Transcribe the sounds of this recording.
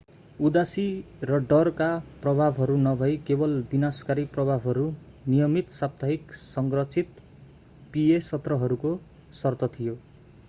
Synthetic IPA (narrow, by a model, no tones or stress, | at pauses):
ud̪asi | rʌɖʌrkaprʌbʱabʱɦʌɾunʌbʱʌjkebʌlbinaskaɾiprʌbʱabʱɦʌɾu | nijʌmit̪sap̚t̪ʰaɦiksʌŋɡrʌt͡sʰit̪ | piesʌt̪rʌɦʌɾuko | sʌrt̪ʌt̪ʰijo